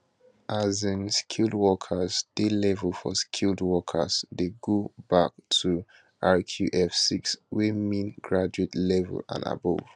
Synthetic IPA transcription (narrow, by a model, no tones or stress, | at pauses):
ʔazĩnskʰildwɔkʰəzd̥elɛvəlfɔ̰skʰildwɔkʰə̰zdeɡobak̚tʰu | ʔaɹkʰjuʔɛfsikswemĩnɡɹad͡ʒuetlɛvə̰lã̰na̰bo̰v̥